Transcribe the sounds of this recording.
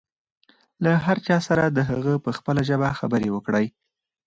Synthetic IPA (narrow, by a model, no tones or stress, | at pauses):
laɦaɾt͡ʃɑsaɾad̪əɦaɣəpəxpəlaʒəbaxabəɾewəkɽəj